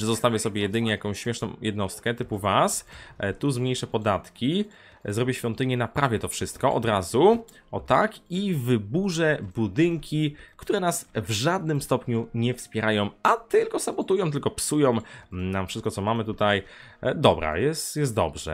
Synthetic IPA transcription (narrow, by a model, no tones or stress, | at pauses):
ʐɛzɔst̪avʲjɛsɔbʲɛjɛd̪ɘɲɛjakɔ̃w̃ɕmʲɛʂnɔ̃w̃jɛd̪nɔst̪kɛt̪ɘpuvast̪uzmɲejʂɛpɔd̪at̪kʲi | zɾɔbʲjɛɕfʲjɔ̃nt̪ɘɲɛnapɾavʲjɛt̪ɔfʂɘst̪̚kɔʔɔ̰d̪ɾazu | ɔt̪akivɘbuʐɛbud̪ɘŋkʲikt̪uɾɛnasvʐad̪̚nɘmst̪ɔpɲuɲɛfspʲjɛɾʔajɔ̃w̃at̪ɘlkɔsabɔt̪ujɔ̃w̃t̪̬ɘlkɔpsujɔ̃w̃namfʂɘst̪kɔt̪sɔmamɘt̪ut̪aj | d̪ɔbɾa̰jɛst̪jɛst̪d̪ɔ̰bʐɛ̰